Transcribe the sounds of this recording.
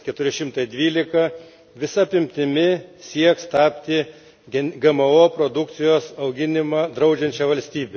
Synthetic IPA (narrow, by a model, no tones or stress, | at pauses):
kʲɛt̪ʊɾʲɪʃʲɪmt̪ɐɪd̪ʲʋʲiːlʲɪkɐ | ʋʲɪsɐɐpʲɪmʲt̪ʲɪmʲɪsʲiɛkst̪ɑːpʲt̪ʲɪ | ɡʲɛmɐoːpɾod̪ʊkt̪sʲɪjoːsɐʊɡʲɪnʲɪmɑːd̪ɾɐʊd͡ʒʲɛnʲt͡ʃʲɛʋɐlʲsʲt̪ʲiːbʲɛ